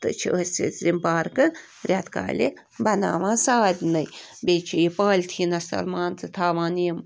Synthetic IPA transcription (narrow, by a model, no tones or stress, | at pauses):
t̪ɨ̰t͡ʃʰḭʔəst͡sḭt͡szimpaːɾkɨ | ɾʲat̪ka̰ːlʲi | bɐna̰ːʋãːsaːd̪ʲnɐjbʲeːt͡ʃʰijipaːlʲt̪ʰinɐsɐ̰lmaːnt͡sɨt̪ʰaːʋaːnim